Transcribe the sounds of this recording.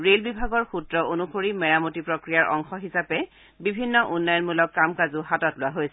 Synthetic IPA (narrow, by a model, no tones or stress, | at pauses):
ɹelbibʱaɡɔɹxutɹɔʔonuxoɹimɛɹamotipɹokɹijaɹʔɔ̰ŋxɔɦisapɛ | bibʱinːɔʔunːajɔnmulɔkːamkazʊɦatɔtlʊaɦojsɛ